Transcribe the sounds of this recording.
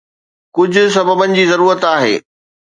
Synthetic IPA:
kʊd͡ʑʱʊ̆s̬ɐbəbənɪ̆d͡ʑiːzɐɾuːɾət̪aːɦḛː

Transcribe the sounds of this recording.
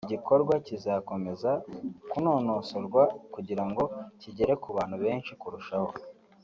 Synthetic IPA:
ɟiko̞ɾɡwacizako̞me̞zakuno̞ːno̞soɾɡwakuɟiɾaŋɡo̞ciɟe̞ɾe̞kuβaːn̥huβe̞ːnʃikuɾuʃaho̞

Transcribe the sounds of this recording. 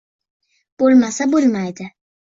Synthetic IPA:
b̥uɾmasabuɾmajd̪ɪ

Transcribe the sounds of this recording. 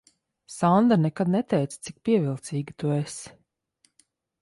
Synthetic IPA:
sand̪anɛkad̪̚nɛt̪ɛjt̪st̪sik̚piɛvilˠt̪siːɡit̪ues

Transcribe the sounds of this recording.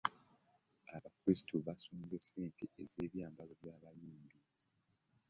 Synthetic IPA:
aβakwesi̥tʰuβasuːmzeseːntʰeʔezeːβjaːmbaloβjaːβajuːmbi

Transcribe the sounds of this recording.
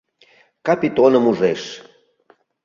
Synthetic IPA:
kapʲit̪onəmuʒeʃ

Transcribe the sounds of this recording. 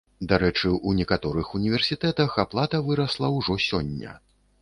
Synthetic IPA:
d̪aɾɛt͡ʂɨʔunʲɛkat̪ɔɾɨxunʲivʲɛrsʲit̪ɛt̪ɐxaplˠat̪ɐvɨɾɐslˠɐwʐɔsʲɔnʲːɐ̰

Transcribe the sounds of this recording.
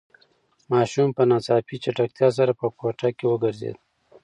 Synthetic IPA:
mɑʃumpənɑt͡sɑpit͡ʃaʈak̚t̪jɑs̬aɾapəkoʈakewəɡəɾzḛd̪̚

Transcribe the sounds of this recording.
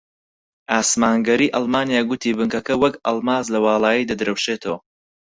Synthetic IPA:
ʔaːsmaːŋɡɐɾiːʔɐlˠmaːnjaːɡʊt̪ʰiːbɨŋkɐkɐwɐkɐ̰lˠmaːzlɐwɑːlˠaːjid̪ɐd̪ɾɐwʃeːt̪ʰɐwɐ

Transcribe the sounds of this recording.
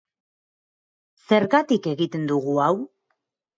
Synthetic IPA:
se̞ɾɣat̪ike̞ɣit̪e̞nd̪uɣuaw

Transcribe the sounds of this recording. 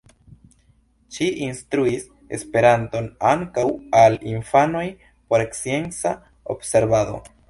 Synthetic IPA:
ʃiʔinst̪ɾuis | e̞̰spe̞ɾant̪o̞naŋkawaliɱfano̞j | po̞ɾeksje̞nsa | o̰bse̞ɾβaðo̞̰

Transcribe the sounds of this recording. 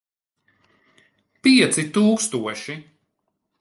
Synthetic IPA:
piɛt̪sit̪uːkst̪uɔʃi

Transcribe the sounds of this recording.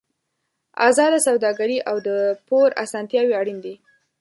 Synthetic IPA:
a̰zɑd̪asawd̪ɑɡaɾiʔawd̪əpoɾa̰sɑnt̪jɑwiaɽind̪i

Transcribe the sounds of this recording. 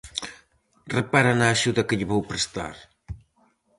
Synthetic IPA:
repaɾanaːʒuðɐkəʎəβowpɾest̪a̰ɾ

